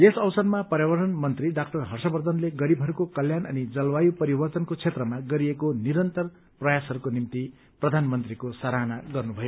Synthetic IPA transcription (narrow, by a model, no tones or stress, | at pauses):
esʌwsʌrmapʌɾjabʌrʈʌnmʌnt̪riɖakʈʌrɦʌrsʌbʌrd̪ʱʌnleɡʌɾibʱʌɾukokʌljanʔʌ̰nid͡zʌlwajupʌɾibʌrt̪ʌnkot͡sʰet̪rʌmaɡʌɾiekoniɾʌnt̪ʌr | prʌjasɦʌɾukonimt̪i | prʌd̪ʱanmʌnt̪rikosaɾanaɡʌrnubʱʌjo